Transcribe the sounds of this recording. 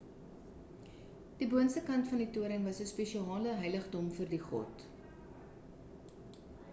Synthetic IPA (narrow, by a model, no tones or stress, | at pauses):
d̥ibuənstəkɐntfɐndituəɾəŋvɐsəspeʃiɑːləɦœjləχdɔmfərdiχɔ̰t